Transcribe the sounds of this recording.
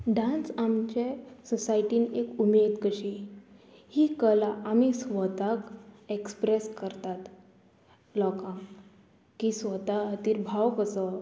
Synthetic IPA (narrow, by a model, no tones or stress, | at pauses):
ɖãnsamt͡ɕesɔsaiʈiːnekumed̪kəɕi | hiːkəlaʔamisʋət̪akekspɾeskəɾt̪at̪ | lɔkã | kisʋət̪aət̪iːɾbʱawkəsə